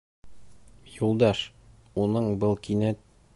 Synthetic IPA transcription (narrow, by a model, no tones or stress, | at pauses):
julˠd̪ɑʃ | unɤɴbɤlˠkinæ